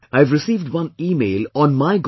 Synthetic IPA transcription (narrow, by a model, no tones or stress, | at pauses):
aɪvɾɪsiːʋɖwʌ̃niːmeːlɔ̃nmaɪɡ